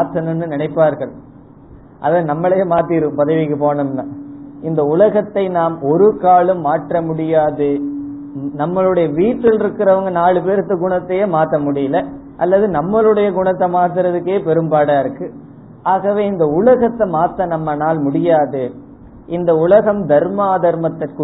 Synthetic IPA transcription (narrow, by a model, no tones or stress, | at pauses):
maːt̪ːɐnɯnːɯnɪnɐɪpːaːɾɣɐɭ | ʔɐ̰ðɐnɐmːɐɭɐjeːmaːt̪ɪɾɯɯmpɐðɐɪʋɪkːɯpoːnɯmnãːɪnd̪ɐʊlɐɣɐt̪ːɐɪnaːmɔɾɯkaːɭɯmːaːʈrɐmʊɽɪjaːðɯ | nɐmːɐɭɯɽɐjɐʋiːʈrɪlɪɾɯkːɪɾɐʋɐŋɡɐnaːɭɯpeːɾɯt̪ːɯɡʊɳɐt̪ːɛjeːmaːt̪ːɐmʊɽɪjɪlɐ | ʔɐlːɐðɯnɐmːɐlɯɽɐjɐɡʊɳɐt̪ːɐmaːt̪̬ɪɾɐðɯkːeːpɛɾɯmbaːɽaːɪɾɯkːɯ | aːɣɐʋeːɪnd̪ɐʊlɐɣɐt̪ːɐmaːt̪ːɐnɐmːɐnaːlmʊɽɪjaːðɯ | ʔɪnd̪ɐʊlɐɣɐmd̪ɐɾmaːðɐɾmɐt̪ːɪkɯ